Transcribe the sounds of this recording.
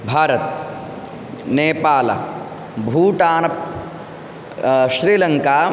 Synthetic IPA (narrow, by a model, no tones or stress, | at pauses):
bʱaːɾɐt̪̚ | neːpaːlɐ̰ | bʱuːʈaːnɐp̚ | ʃɾiːlɐŋkaː